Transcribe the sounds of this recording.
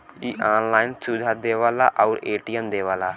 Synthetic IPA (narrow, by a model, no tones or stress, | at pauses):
iːʔaːnlaːɪnsud̪ʱaːd̪eːʋaːla̰ːʔɔʊɾeːʈijəmd̪eːʋaːlaː